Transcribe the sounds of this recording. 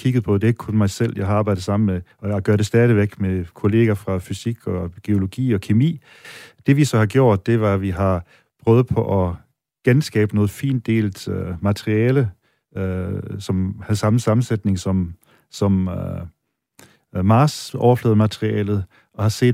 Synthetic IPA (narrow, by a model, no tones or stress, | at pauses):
kʰiɡ̥ð̞̩ˠpʰɒ̽d̥e̝eɡ̥̚kʰɔ̽nmɑ̈ɪsel̰jɑ̈ɪhɑɑ̈ːb̥ɑ̈ɪd̥ð̩ˠsɑ̈mn̩meɒjɑɪɡ̥ɶɐɾ̥e̝sd̥æːðˠiʋeɡ̥mekʰo̝le̝̰ːɡɐfʁɑ̈fysiɡ̥ɒɡ̥e̝o̝lo̝ɡ̥ḭːɒ̽kʰimḭː | d̥e̝ʋisɒ̽hɑ̈ɡ̥jo̝ɐ̰d̥̚ːe̝ʋɑ̈ʋiɦɑ̈ | pʰʁœːʊð̩ˠpʰɒ̽ʔɒ̽ | ɡ̥ensɡ̥ɛ̰ːb̥ənɔ̽ːð̩ˠfḭːnd̥e̝̰ːlmæt͡sʰʁiɛːlə | sɒ̽mhæðˠsɑ̈mn̩sɑ̈mn̩sed̥ne̝ŋsɒ̽m | sɒ̽m | mɑ̈ːsɒʊɐflɛ̰ːð̩ˠmæt͡sʰʁiɛ̰ːlð̞̩ˠ | ɒ̽hɑ̈se̝̰ːd